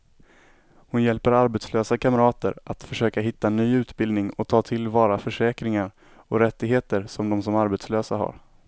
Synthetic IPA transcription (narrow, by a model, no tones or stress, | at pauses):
hʊnjɛlpəɾaɾbɛt̪sløːsakʰaməɾɑːt̪ə̰ɾat̪fœʂøːkaɦɪt̪ːanyːʉ̟ːt̪bɪld̪nɪŋɔt̪ʰɑːt̪ʰɪlvɑːɾafœʂɛːkɾɪŋaɾ | ɔɾɛt̪ːɪɡɦeːt̪əɾsɔmd̪ɔmsɔmaɾbɛt̪sløːsaɦa̰ɾ